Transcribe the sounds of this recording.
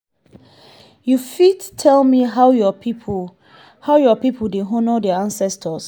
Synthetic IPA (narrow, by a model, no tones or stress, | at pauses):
jufidtʰɛlmiɦaʊjɔpipʰ | haʊjɔpipʰəldeɦɔ̃nɔdɛãnsɛstʰəs